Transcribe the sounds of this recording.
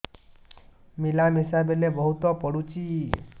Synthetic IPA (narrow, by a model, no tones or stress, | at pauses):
milamisabelebɔɦut̪ɔpɔɽut͡ʃi